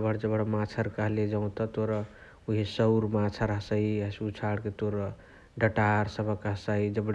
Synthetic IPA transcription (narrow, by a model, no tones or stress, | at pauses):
bʱəɽd͡ʒəbəɽmat͡ʃʰəɾkəɦled͡ʒaũt̪ɔt̪oɾə | uɦesəwɾmat͡ʃʰəɾɦəsəiəsut͡ʃʰaɽket̪oɾə | ɖəʈaɾsəbʱəkɦsaid͡ʒəbɽ